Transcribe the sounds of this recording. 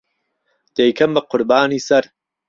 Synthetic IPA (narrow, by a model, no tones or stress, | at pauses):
d̪̥ejkʰɐmbɐqʊɾbaːniːsɐɾ